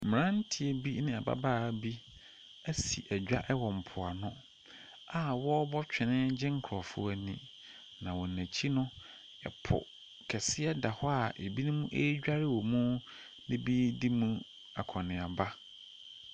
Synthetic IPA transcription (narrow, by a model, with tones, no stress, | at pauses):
m̩˨ɾã˦n̩˦tʰi˨e˦bi˦nɪ̃˦a˨ba̰˦baː˦˨bi˦ | æ˦sḭ˨ʔæ˨d͡ʑᶣa˦ʔɛ˦wɔ̃˨m̩˨pʰʊ˨a˨nʊ̃˦ | a˨wɔ˦bɔ˦t͡ɕᶣɪ˨nɪ̃˦d͡ʑɪ̃˦ŋ̩˦kʰɾɔ˨fʊ̰˦æ˨nĩ˨ | nã˨wɔ˨næ̃˨t͡ɕʰi˦nʊ̃˦ | ɛ̰˨pʰʊ̰˨ | kʰɛ˨sɪ˦ɛ˦da˨hɔ˦a˦˨e˨bi˦nʊ̃˦mũ˦ʔe˦ɟᶣa˦ɾɪ˦wɔ˨mũ˦ | nɪ̃˦bi˦di˦mũ˦ | a˨kʰɔ̃˨nɪ̃˨a˨ba˦